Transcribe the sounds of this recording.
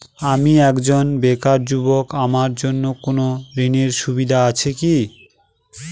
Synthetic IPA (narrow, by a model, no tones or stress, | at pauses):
amiɛkd͡ʑonbekaɾd͡ʑubokamaɾd͡ʑonːokonoɾineɾʃubid̪ʱaat͡ɕʰeki